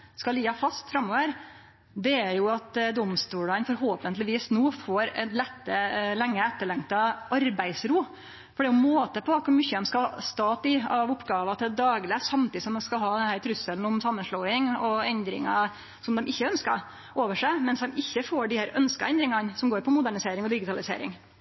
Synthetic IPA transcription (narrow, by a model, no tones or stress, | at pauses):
skɑliːɑfɑst̪fɾɑmːoːʋəɾ | d̪ɛæɾjʊɑt̪d̪ɔmst̪uːɭɑnfɔɾɦoːpənt̪lɪʋiːsnuːfoːɾɛ̰nlɛt̪ːəlɛŋːəɛt̪ːəɭɛŋt̪ɑɑɾbæɪsɾuː | fɔɖɛæʊmoːt̪əpɔkʰʊɾmʏçːəd̪ɛmskɑst̪ɑːt̪ɪɑʋʊpːɡɑːʋɑt̪ʰɪd̪ɑːɡlɪsɑmt̪ʰiːsɔmd̪ɛnskɑlɦɑːd̪ɛnhæːɾt̪ʰɾʉsəln̩ɔmsɑmːənʂlɭoːɪŋɔɛnd̪ɾɪ̰ŋɑ̰ | sɔmd̪ɛmʔɪçːəœnskɑ̰ɾ | ʔoːʋəʂæɪmɛnsd̪ɛmɪçːəfoːɖɪhæːɾœnskɑ̰ʔɛnd̪ɾɪŋɑnsɔmɡoːɾpʰɔmʊd̪æɳɪseːɾɪŋɔd̪ɪɡɪt̪ʰɑlɪsḛːɾɪ̰ŋ